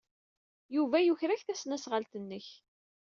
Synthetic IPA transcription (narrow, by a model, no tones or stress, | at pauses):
juvæjuçɾæçθæsnæsʁəlt̪ənːəç